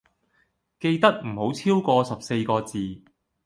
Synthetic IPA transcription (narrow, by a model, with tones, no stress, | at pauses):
ke˧jt̪ɐ˥k̚m̩˨˩ho˨˥wt͡sʰiː˥wkɔː˧sɐ˨p̚se˧jkɔː˧t͡siː˨˩